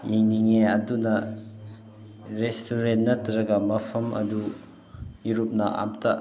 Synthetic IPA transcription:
jeŋniŋeɐdunɐ | ɾestʰuɾenːɐtɾɐɡɐmɐpʰɐmʔɐ̰du | iɾup̚nɐʔa̰mtʰa

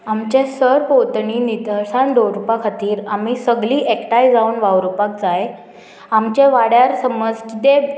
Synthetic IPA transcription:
amt͡ɕẽsəɾpot̪ɳiːnid̪əɾsaɳɖ̪oɾupakʰat̪iːɾamisəɡliːʔekʈajd͡zauːnʋawɾupak̚d͡zae | amt͡ɕeʋaɽjaɾsəməd͡zkit̪e

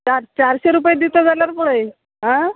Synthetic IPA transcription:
t͡ɕaɾt͡ɕaɾɕeɾupjed̪it̪od͡zaljaɾpuɭej | ɦã

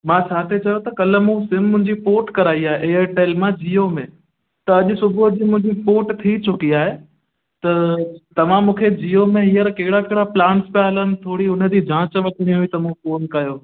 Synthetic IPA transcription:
mãt͡ɕʰaːt̪ʰet͡ɕɐjot̪ɐkɐlə̆mũsɪmːʊ̃ɦɪ̃ɲd͡ʑipoːʈkɐɾaːiaːɦeʔeːəɾʈeːlmãd͡ʑijomẽ | t̪ɐɐʄʊsʊbʱʊd͡ʑimʊ̃ɦɪ̃ɲd͡ʑipoːʈt̪ʰit͡ɕʊkiaːɦe | t̪ɐt̪ɐʋ̤ãmũːkʰed͡ʑiːjomẽɦijəɾkɐɦɪɽakeɦɪɽaplãːɳʈspjaɦɐlənɪ̆t̪ʰoːɽiʊnə̆d̪id͡ʑʱãːt͡ɕʋɐʈʰiɽ̃ĩɦuit̪ɐmũːfoːnkɐjoː

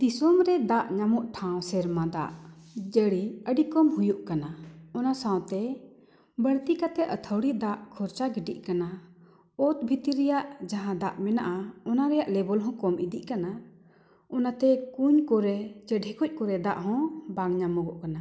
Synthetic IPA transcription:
d̪̥isɔmɾɛd̪aʔɲamɔʔʈʰaw̃sɛɾmãd̪aʔd͡ʒəɽiəɖikɔmhujuʔkanaɔnasãw̃t̪ɛ | bəɽt̪ikat̪ɛʔət̪ʰəwɽiʔd̪aʔkʰɔɾt͡ʃaɡiɖḭʔ̚ˀkana | ɔt̪bʱit̪iɾɛjaʔd͡ʒaɦãd̪aʔmɛnaʔaɔnaɾɛjaʔlɛbɔlɦɔ̃kɔmʔid̪iʔkana | ɔnat̪ɛkuɲkɔɾɛt͡ʃəɖɦɛkɔc̚ˀkɔɾɛd̪aʔɦɔ̃baŋɲamɔɡɔʔkana

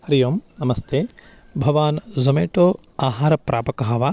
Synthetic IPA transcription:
hɐɾijoːmnɐmɐst̪ʰeː | bʱɐʋaːnzɐmeːʈoː | aːɦaːɾɐpɾʔaːpɐkɐɦɐʋaː

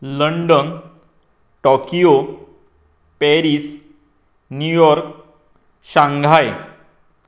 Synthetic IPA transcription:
ləɳɖən | ʈɔkijo | pɛɾiːs | njujɔɾk | ɕãŋɡʱaj

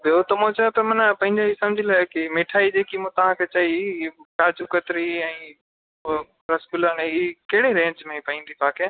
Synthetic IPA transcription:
bjot̪ɐmõt͡ɕɐjot̪ɐmɐnpɐ̃ɦɪ̃ɲd͡ʑeɦisɐ̃md͡ʑʱilaːɪkɪmɪʈʰaːid͡ʑeːkimũt̪ɐʋ̤ãkʰet͡ɕaikaːd͡ʑukət̪ɾiɛ̃ː | ɾɐskulənːkɐɦɪɽeɾẽːɲd͡ʑmẽipɐĩːnd̪ibʱaːkʰe

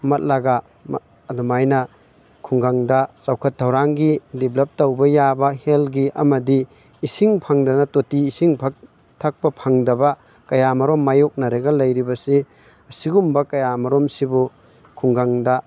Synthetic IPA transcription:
mɐt̚laɡɐː | dumajnɐ | kʰuŋɡaŋdɐsawkʰɐt̚ʰːɐwɾaŋɡidiblɐp̚tɐwbɐjabɐhelɡiʔɐmɐdiː | siŋpʰɐŋdɐnɐtotiːsiŋpʰɐk | tʰɐk̚pɐpʰɐŋdɐbɐ | kɐjamɐɾomːajok̚nɐɾeɡɐlɐjɾibɐsi | ɐsiɡumbɐkɐjamɐɾomsibu | kʰuŋɡaŋdɐ

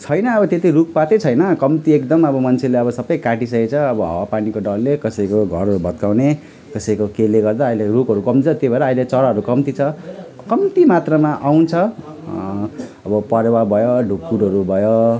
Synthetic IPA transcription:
t͡sʰʌjnʌːbʌt̪et̪iruk̚pat̪et͡sʰʌjnʌkʌmt̪iekd̪ʌmʌbʌmʌnt͡sʰeleʌbʌsʌbʌjkaʈisʌket͡sʰʌʌbʌɦʌ̰wapanikoɖʌlːekʌsʌikoɡʱʌɾʌɾubʱʌt̪kawne | kʌsʌikokeleɡʌrd̪aːɦilerukɦʌɾukʌmit͡sʰʌt̪jobʱʌeɾʌailet͡sʌɾaɦʌɾukʌmt̪it͡sʰʌ | kʌmt̪imat̪rʌmaʔawnt͡sʰʌ | ʌbʌpʌɾewabʱʌjoɖʱukːuɽʌɾubʱʌjo

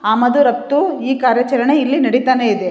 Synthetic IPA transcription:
aːmɐd̪uɾɐp̚t̪uiːkaːɾjɐt͡ʃɐlɐɳeilːinɐɽit̪aːne̞id̪e

